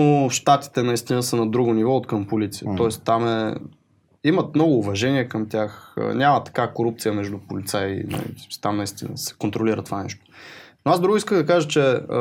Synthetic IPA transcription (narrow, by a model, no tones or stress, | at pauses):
oʃt̪at̪i̥t̪ɛnɐist̪inəsənɐd̪ɾuɡʊnivɔt̪kəmpolit̪sijət̪ɔɛst̪amɛ | imɐt̪mnɔɡʊːvɐʒɛniɛkəmt̪ʲaxə̰nʲamɐt̪ːɐ̥kakoɾup̚t̪sijəmɛʒd̪upolit̪sainɐ̰lḭsmst̪amnɐist̪inə̰sɛ̥kont̪ɾoliɾət̪ovanɛ̰ʃt̪o̥noasd̪ɾuɡʊiskəmd̪ɐkaʒət͡ʃɛ